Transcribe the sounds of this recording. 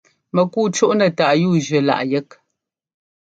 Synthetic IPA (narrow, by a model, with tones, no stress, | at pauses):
mə˨ku˦˨t͡ʃu˦ʔnə˨ta˨ʔjuː˦˨d͡ʒɥə˨la̰˨ʔjə˦k̚